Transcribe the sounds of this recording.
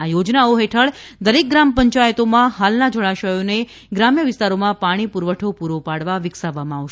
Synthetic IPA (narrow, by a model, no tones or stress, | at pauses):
ajod͡ʒnaoɦeʈʰəɭd̪əɾek̚ɡɾampəɲt͡ʃajət̪omãɦalnad͡ʒoɭaʃəjone | ɡɾamjəʋɪst̪aɾomãpaɽ̃ipuɾʋəʈʰopuɾʋopaɽʋaʋɪksaʋamãːʋʃ